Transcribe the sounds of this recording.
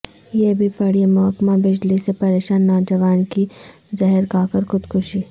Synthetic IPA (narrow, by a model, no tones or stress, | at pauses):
jeːbʱipɐɽiemʊɦəkmabɪd͡ʒlisepɐɾeːʃaːnːɔːd͡ʒəʋaːnki | zɛɦəɾkaːkəɾxʊd̪kʰʊʃiː